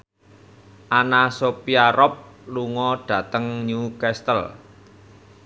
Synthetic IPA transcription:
ʔanasopiaɾɔp̚luŋɔɖ̥ä̤t̪əŋɲukɛst̪əl

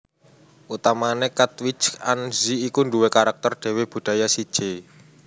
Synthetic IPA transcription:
ʔut̪amanekat̪wit͡ʃanziːkunduwekaɾak̚t̪ɔrɖ̪̥e̤web̥ṳɖ̥a̤jasid̥ʒ̥e

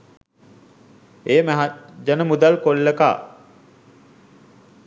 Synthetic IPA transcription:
eːməɦad͡ʒanəmud̪alkolːəka̰ː

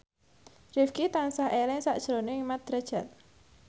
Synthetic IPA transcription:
rifkit̪ansaɦʔelɛŋsaʔd̥ʒ̥ɾonemat̪̚d̪̥ɾad̥ʒ̥at̪̚

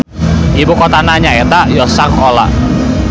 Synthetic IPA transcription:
ibukɔt̪anaɲaɛt̪aʔjɔsaŋɔla̰

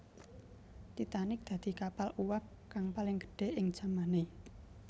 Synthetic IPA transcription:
t̪it̪anɪk̚d̪̥ä̤d̪̥i̤kapaluwap̚ | kaŋpalɪŋɡə̥ɖ̥e̤ʔɪŋd̥ʒ̥a̤mane

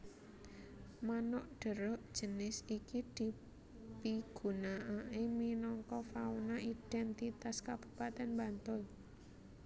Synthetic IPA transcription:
manʊʔɖ̥ə̤ɾɔʔd̥ʒ̥ənɪsikid̪̥i̤ | piɡ̥ṳnaʔaʔeminɔŋkɔfaunaiɖ̥ɛnt̪it̪askab̥u̥pat̪ɛnmbant̪ʊl

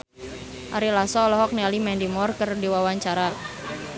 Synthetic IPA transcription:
ʔaɾilasɔlɔɦɔk̚nɛalimɛndimɔrkərdiwawaɲt͡ʃaɾa

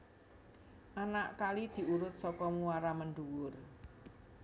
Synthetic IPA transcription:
ʔanaʔkalid̪̥i̤uɾʊt̪̚sɔkɔmuwaɾamənɖ̪uwʊr

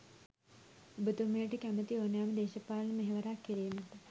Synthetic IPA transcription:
bət̪umejəʈəkæmət̪ioːnjaːməd̪eːʃɐpaːlɐnəmeɦeʋɐɾaːkːiɾeːmɐt̪

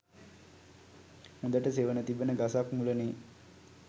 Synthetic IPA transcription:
hũnd̪əʈəseʋənət̪ibənəɡasakmuləneː

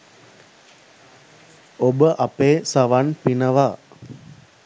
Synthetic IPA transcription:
obəʔɐpeːsaʋanpinəʋa

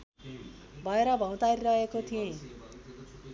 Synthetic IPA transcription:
bʱʌeɾʌbʱʌw̃t̪aɾiɾʌɦekot̪ʰiẽ

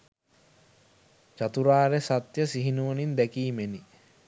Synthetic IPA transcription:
t͡ʃat̪uɾaːɾesat̪jəsiɦinuʋənind̪ækiːmeni

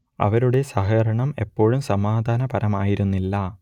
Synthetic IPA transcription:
ɐ̰ʋɐɾuɽe̞sɐɦɐɾɐɳɐme̞pːo̞ːɻumsɐmaːd̪ʱaːnɐpɐɾɐmaːjiɾunːilːɐ

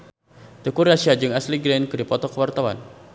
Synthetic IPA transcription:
t̪əkuɾasiad͡ʒɨŋasliɡɾɛnkɨdipɔt̪ɔkəwart̪awa̰n

